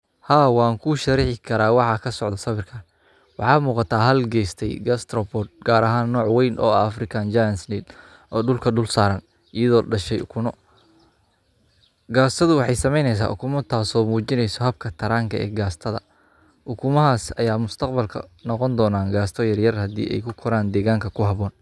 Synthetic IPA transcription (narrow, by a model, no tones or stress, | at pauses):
haːwɑːŋkʰʊʃɐɾɪħɪkʰɐɾaːwɑħɑkʰɐsɔʕðɐsɐβɪrkʰɐ | wɑħɑːmuːqɑt̪ʰaːɦɐlɡɛːjst̪ʰɛjɡɐst̪ʰɾɔbɔːd̪̚ɡ̥aːɾɐɦaːnːɔːʕwɛjnʔɔːɐfrɪkʰaːnd͡ʒajnsniːl | ʔɔːɖʊlkʰɐɖʊlsaːɾɐn | ʔijɐðɔːɖɐʃɛjʔʊkʰʊnɔ | ɡaːst̪ʰɐðʊwɑħɑjsɐmɛjnɛjs̬a̰ːʔʊ̰kʰʊmɐt̪ʰaːsɔːmuːt͡ʃɪnɛjsɔɦɐb̚kʰɐt̪ʰɐɾaːŋkʰɐʔɛ̰ːɡaːst̪ʰɐðɐ̰ | ʔʊkʰʊmɐɦaːsɐjaːmʊst̪ʰɐqbɐlkʰɐ̰nɔqɔnd̪ɔːnaːŋɡaːst̪ʰɔjɐrjɐrhɐd̪ḭːʔɛ̰jkʰʊkʰɔɾaːnd̪ɛːɣaːŋkʰɐkʰʊɦɑβɔːn